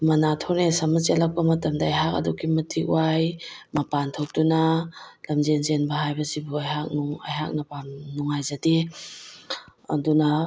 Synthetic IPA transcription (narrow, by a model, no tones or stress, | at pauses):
mɐnatʰoɾnesamat͡ʃetlak̚pɐmɐtɐmdaajɦak̚ɐ̰duɡimɐtʰikw̰ajmɐpantʰok̚tuna | lɐmzenzenbɐhajbɐsibuajɦak̚nuŋa̰jɦak̚napamnuŋajzadi | ɐ̰duna